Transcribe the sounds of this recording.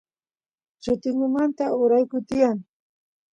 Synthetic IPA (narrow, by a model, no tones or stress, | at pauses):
t͡ʃʊt̪ɪŋʊmant̪aʊɾajkʊt̪ɪjaŋ